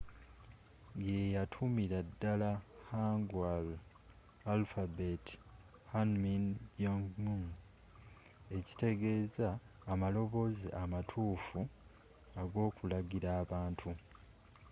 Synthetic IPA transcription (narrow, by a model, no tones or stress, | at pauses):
ɡejatʰumiɾadːalahaŋɡwal | alfabet | hanminoŋɡmuŋ | e̞ci̥te̞ɡe̞ːzaː | malo̞βo̞ziʔamatʰuːfu | aɡo̞ːkulaɡiɾaːβaːntʰu